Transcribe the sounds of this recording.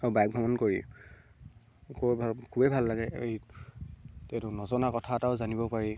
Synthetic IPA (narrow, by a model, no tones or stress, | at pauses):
abajk̚bʱɔmɔnkoɹi | kobʱkʰubebʱalːaɡɛej | tɛtʊnɔzɔnakɔtʰataʊzanibɔpaɹi